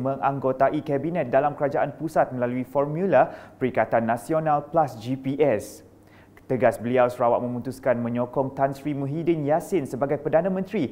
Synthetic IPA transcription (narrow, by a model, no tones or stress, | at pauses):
mə̃ŋaŋɡot̪aʔikɛbinɛ̃t̪̚dalamkəɾad͡ʒaʔanpusat̪̚məlaluifɔrmjulapəɾikat̪anːãsionalplasd͡ʒipiʔɛs | t̪əɡasbəliawsɾawa̰ʔ̚mə̃mut̪uskanmə̃ɲɔkɔŋt̪ansɾimũɦidənjasɪnsəbaɡajpərdanãmə̃nt̪ɾi